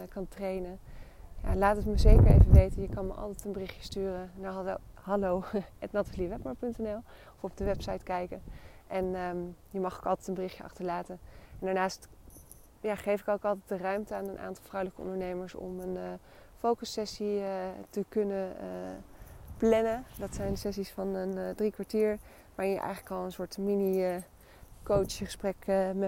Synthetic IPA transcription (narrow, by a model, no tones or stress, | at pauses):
kɑntrejnəja̰laːtəkməzejkəɹḛjvəʋejtəjəkɑnməʔɑ̰lˠtɛtənbərɪχjəstyːrənahɑlowɛtnɑtaliʋɛpməɹpɵntɛnɛlˠ | ɔfɔb̚dəʋɛpsɑjtkɛjkənʔɛnjəmɑχo̥kɑlˠtɛtənbərɪχjəɑ̰χtəɹlaːtənɛndaːɹnaːst | jaːχejfɪkowkɑlˠtɛjt̚dərœɥmtəaːnənʔa̰ːntɑlˠfrowləkəɔ̰ndəɹnejməɹsɔ̰mən | fowkəsɛsiətəkɵnəə | plɛnədɑtsɛjndəsɛsisfɑnəndrikʋaɹtiːɹ | ʋaːɹɪnjə̰ʔɛ̰jχələkɑlˠənsʊːɹtminiə | kowt͡ʃχə̥sprɛkmɛ